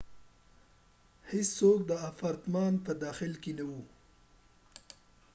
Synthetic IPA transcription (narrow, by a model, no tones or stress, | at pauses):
hɪssok̚d̪əafaɾt̪mɑːnpəd̪ɑxɪlkenawu